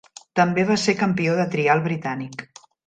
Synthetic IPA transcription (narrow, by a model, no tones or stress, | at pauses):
t̪əmbeβ̞asekəmpioðət̪ɾialˠβɾit̪anik